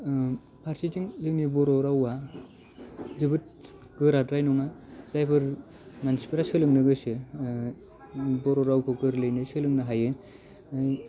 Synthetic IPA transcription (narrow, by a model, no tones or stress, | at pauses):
pʰaɾsiziŋzɯŋnibɔɾɔɾawa | zɯbɯt̚ | ɡ̥ɯɾadɾajnɔŋazajpʰɯɾ | mansipʰɯɾasɯlɯŋnɯɡɯsɯ | bɔɾɔɾawkʰɯɡɯɾlɯjnɯsɯlɯŋnɯɦajɯ